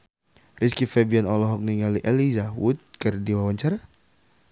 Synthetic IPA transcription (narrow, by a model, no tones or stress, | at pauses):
riskifɛbianɔlɔɦɔk̚niŋaliʔelizawut̪̚kərdiwawaɲt͡ʃaɾa